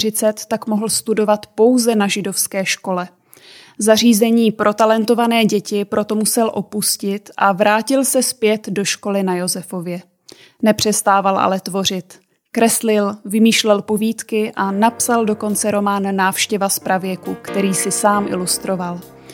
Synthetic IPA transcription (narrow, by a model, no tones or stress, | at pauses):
rɪt͡sɛt̪ːakmo̞ɦl̩st̪udo̞vat̪po̞wzɛnaʒɪdo̞fskɛːʃko̞lɛ | zar̝iːzɛɲiːpɾʔo̞t̪alɛnt̪o̞vanɛːɟɛcɪpɾʔo̞t̪o̞musɛlʔo̞puscɪt̪ʔavɾaːcɪlsɛspjɛt̪do̞ʃko̞lɪnajo̞zɛfo̞vjɛ | nɛpr̝̥ɛst̪aːvalʔa̰lɛt̪vo̞r̝ɪt̪ | kɾɛslɪlvɪmiːʃlɛlpo̞viːt̪kɪʔanapsaldo̞ko̞nt͡sɛɾo̞maːnːaːfʃcɛvaspɾavjɛkukt̪ɛɾiːsɪsaːmʔɪ̰lust̪ɾo̞val